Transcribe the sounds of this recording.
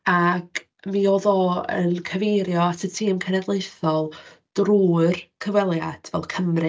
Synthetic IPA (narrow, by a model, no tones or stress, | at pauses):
ak | mioðɔə̰nkʰəvejɾjɔasətʰiːəmkʰənɛdlˠejθɔlˠd̥ruːrkʰəvwɛlˠjad̥vɛ̰lˠkʰəmrɨ